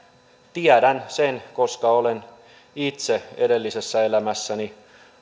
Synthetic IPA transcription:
t̪iædænsenkoskɑolen | it̪seedelːisesːæelæmæsːæni

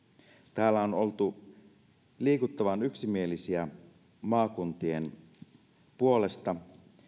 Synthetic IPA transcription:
t̪æːlːæo̞no̞lt̪u | liːkut̪ːɑʋɑnyksimie̞lisiæ | mɑːkunt̪ie̞̰n | puo̞le̞st̪ɑ

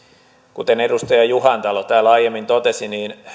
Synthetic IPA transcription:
kut̪enedust̪ɑjɑjuhɑnt̪ɑlot̪æːlɑijemːint̪ot̪esiniːn

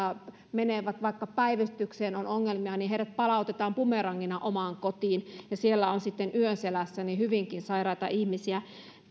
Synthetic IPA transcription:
ɑ | meneʋæt̪ʋɑikːɑpæiʋyst̪ykseːnonoŋːelmiɑniɦeiɾæt̪̚pɑlɑˑut̪et̪ɑːmpumerɑŋːinɑʔomɑŋkot̪iːnjɑsielːæonsit̪ːenyønselæsːænihyʋiŋkinsɑirɑit̪ɑ̰ʔihmisiæ

